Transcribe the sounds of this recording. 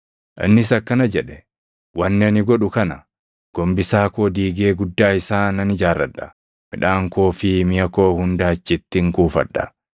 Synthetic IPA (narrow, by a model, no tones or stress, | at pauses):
ʔɐ̰nːɪs̬ɐkːɐnɐd͡ʒɛᶑɛ | wɐnːɪɐnɪɡɔᶑʊkɐnɐ | ɡ̥ɔmbɪsaːkoːd̪iːɡe̞ːɡʊd̪ːaːɪsaːnɐnɪd͡ʒaːrːɐᶑːɐ | mɪᶑaːŋkoːfɪmɪjɐkoːhʊnd̪aːt͡ʃːɪt̪ːɪŋkuːfɐ̰ᶑːɐ̰